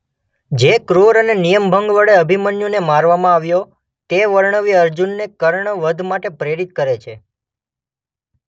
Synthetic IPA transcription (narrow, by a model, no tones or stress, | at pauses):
d͡ʒekɾoɾənenijəmbʱəŋɡʋəɽeəbʱimənjunemaɾʋamãaʋjo | t̪eʋəɾɳəʋiəɾd͡ʒunːekəɾɳəʋəd̪ʱmaʈepɾeɾit̪̚kəɾet͡ʃʰe